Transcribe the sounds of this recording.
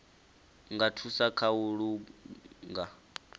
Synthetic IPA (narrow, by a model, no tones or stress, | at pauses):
ŋɡatʰusakʰauɺu | ŋɡa